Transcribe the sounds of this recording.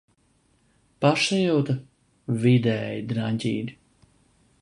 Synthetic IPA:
paʃajuwt̪a | vid̪ɛːjid̪ɾaɲʲcʲḭːd̪ʲi

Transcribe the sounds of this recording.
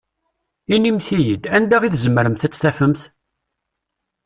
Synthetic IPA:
inimθijəd̪ænd̪æʁiθzəmːəɾəmθæt͡sːθæfəmθ

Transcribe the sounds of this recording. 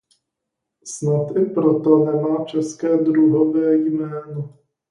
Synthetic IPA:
snat̪ʔɪpɾot̪ɔnɛmaːt͡ʃɛskɛːd̪ɾuɦɔvɛːjmɛːnɔ

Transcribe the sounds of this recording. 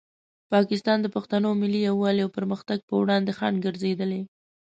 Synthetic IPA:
pɑkɪst̪ɑnd̪əpaxt̪anomɪlːijawːɑljawpəɾməxt̪aɡ̚pəwɽɑnd̪exanɡəɾzed̪əle

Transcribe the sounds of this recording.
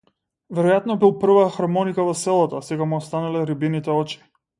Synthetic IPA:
vɛɾɔjat̪nɔbilˠpr̩vaxaɾmɔnikavɔsɛlˠat̪ɔsɛɡamuɔst̪analɛɾibinit̪ɛɔt͡ʃi̥

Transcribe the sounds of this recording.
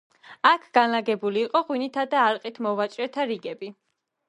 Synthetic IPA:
akʰɡ̥anlaɡɛbuliːqʼɔʁwinit̪ʰad̪aːɾqʼit̪ʰmɔvat͡ʃʼɾɛt̪ʰaɾiɡɛbi

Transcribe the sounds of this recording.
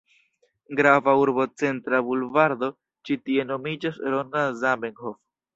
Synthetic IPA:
ɡɾavauɾbo̞t͡se̞ntɾabulvaɾd̪o̞ | t͡ʃitie̞nomid͡ʒasɾonazabeŋhof

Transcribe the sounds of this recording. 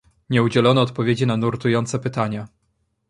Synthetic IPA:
ɲɛud͡ʑɛlɔnɔːt̪pɔvʲjed͡ʑinanuɾt̪ujɔnt̪sɛpɘt̪aɲa

